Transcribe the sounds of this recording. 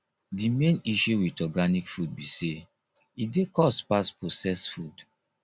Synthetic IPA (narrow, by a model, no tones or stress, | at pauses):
dimẽniʃuwitɔɡanikfud̚bise | idekɔspasposɛsfud